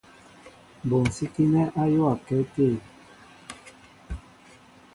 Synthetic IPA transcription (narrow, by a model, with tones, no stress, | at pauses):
bo˨n̩˨si˦ki˦nɛ˦ʔa˦jo˦a˨kɛ˨˦te˦˨